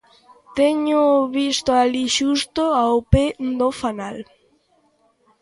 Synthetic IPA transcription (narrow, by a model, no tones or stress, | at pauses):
t̪eɲoβist̪oaliʃust̪oaoped̪ofanal